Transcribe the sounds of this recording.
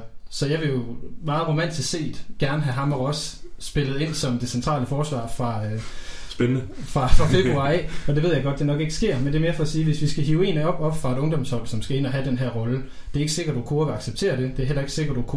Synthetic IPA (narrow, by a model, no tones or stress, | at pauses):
sɒ̽jɑ̈ɪʋe̝jo̝mɑ̈ːð̩ˠʁo̝mæn̰d̥ʰisse̝̰ːd̥ɡ̥æɐnəɦæɦɑ̈mɑʁɒ̽sːb̥e̝lð̞̩ˠe̝n̰sɒ̽md̥e̝sent͡sʰʁɑ̰̈ːləfɒːsʋɑ̰̈ːfʁɑ̈ | sfʁɑ̈fʁɑ̈fe̝b̥ʁuɑ̈ɪɒ̽d̥eʋe̝ð̞̰ˠjaɡ̥ɒ̽d̥̚d̥e̝nɒ̽ɡ̥e̝ɡ̥əsɡ̥e̝ɐ̰mend̥eɐme̝ɐfɒ̽siːʋe̝sʋisɡ̥æɦiʊe̝̰ːnɒ̽b̥ɒ̽b̥fʁɑ̈e̝ɾ̥ɔ̽ŋd̥ɒ̽mshɒ̽l̰sɒ̽msɡ̥æe̝n̰ɒɦæd̥enɦæɐ̰ʁɒ̽lə | d̥e̝æɐe̝ɡ̥se̝ɡ̥ɐd̥̚ukʰuɐɡ̥ɑ̈ɡ̥seb̥̚t͡sʰe̝̰ːɐd̥e̝d̥e̝æɐel̰ɐe̝ɡ̥se̝ɡ̥ɐd̥ukʰu